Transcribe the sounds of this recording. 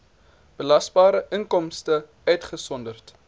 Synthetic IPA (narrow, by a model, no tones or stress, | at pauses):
b̥əlɐsbɑːɾəʔəŋkɔmstə | œɥtχəsɔndərt